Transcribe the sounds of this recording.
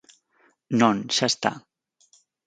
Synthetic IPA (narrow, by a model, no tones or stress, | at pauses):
nonsast̪a̰